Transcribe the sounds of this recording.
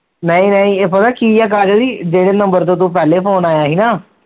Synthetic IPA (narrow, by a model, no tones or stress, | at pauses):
nəĩːnəĩːeːpət̪aːkiːɛːk̬aːɾd͡ʒod̪iːd͡ʒeːɽeːnə̃mbəɾt̪̬õːt̪ũːp̬ɛːleːpʰoːnaːjaːɦiːnaː